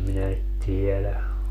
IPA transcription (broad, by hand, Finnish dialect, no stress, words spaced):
minæ tielæ